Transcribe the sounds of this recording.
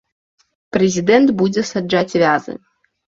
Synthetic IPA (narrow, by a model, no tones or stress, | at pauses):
pɾezʲid̪ɛnt̪bud͡zʲɛsad͡ʐat͡sʲvʲazɨ̰